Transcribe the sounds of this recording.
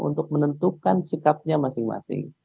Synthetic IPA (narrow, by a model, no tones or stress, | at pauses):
ṵnt̪ʊk̚mənənt̪ukansikap̚ɲamasɪŋma̰sɪ̰ŋ